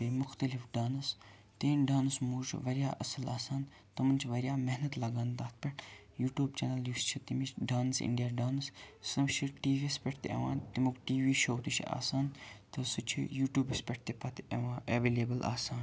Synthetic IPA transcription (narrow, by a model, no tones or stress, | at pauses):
emʊxt̪ɐlifɖaːnɐs | t̪eːnɖaːnɨsmuːt͡ʃʰʋɐɾjaːʔɐsɐlaːsaːn | t̪ɐmɐnt͡ʃʰʋɐɾjaːmeɦnɐt̪lɐɡaːnd̪aːt̪̚ʰpʲɐʈʰ | juːʈjuːbt͡ʃeːnɐljuːst͡ʃʰit̪imit͡ʃɖaːnsḭɳɖijaːɖaːnɨssɨmʃiʈiːʋispʲeʈʰt̪ḛʋã̰ːnt̪imukʈiːʋiːʃoːt̪uʃʰḭa̰ːsaːnt̪ɨsut͡ʃʰḭjuːʈjuːbɐspʲeʈ̚ʰt̪epɐt̪eʋãːʔeʋeːleːbɐlʔa̰ːsaːn